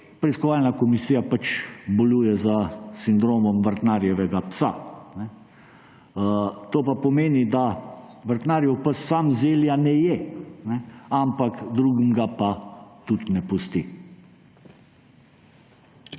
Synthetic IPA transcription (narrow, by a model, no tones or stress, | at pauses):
pɾɛiskɔʋaːlnakɔmisiːjapat͡ʃbɔluːjɛzasind̪ɾoːmɔmʋəɾt̪naɾjɛʋɛɡapsanɛ | t̪oːpapɔmeːnid̪a | ʋəɾt̪naːɾjɛwpəsːamzeːljanɛjɛnɛampakd̪ɾuːɡimɡapat̪ut̪nɛpust̪i